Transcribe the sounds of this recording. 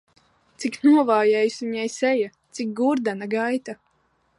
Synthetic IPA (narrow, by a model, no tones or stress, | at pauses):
t̪siknuɔvaːjɛjsuɲɛjsɛjat̪sik̚ɡuɾd̪anaɡajt̪a